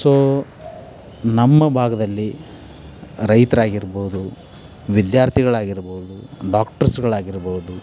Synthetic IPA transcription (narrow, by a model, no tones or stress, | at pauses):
soː | nɐmːɐbʱaːɡɐd̪ɐlːi | ɾɐjt̪ɐɾaːɡiɾboɦud̪u | ʋid̪jaːɾt̪ʰiɡɐɭaːɡiɾboud̪uɖaːkʈɐɾsɡɐɭaːɡiɾboud̪u